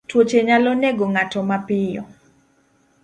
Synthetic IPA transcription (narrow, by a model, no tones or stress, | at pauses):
twot͡ʃeɲalɔnɛɡoŋatɔmapɪjɔ̰